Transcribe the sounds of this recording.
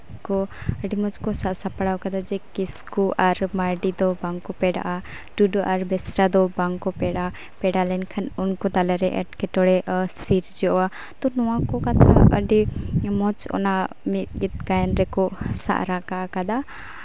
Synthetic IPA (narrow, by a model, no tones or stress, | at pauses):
kɔəɖimɔt͡ʃkɔsaʔsapaɽawkad̪ad͡ʒɛkiskuʔaɾmaɾɖid̪ɔbaŋkɔpɛɖa̰ʔa | ɖuɖɔʔaɾbɛsɾad̪ɔbaŋkɔpɛɽa | pɛɖalɛnkʰanɔnkɔt̪alɛɾɛʔɛ̰ʈkɛʈɔɽɛʔsiɾd͡ʒɔwa | t̪ɔnɔwãkɔkat̪ʰaəɖimɔt͡ʃɔ̰na | mit̪ɡit̪̚ɡajnɾɛkɔsa̰ʔɾakaʔakad̪a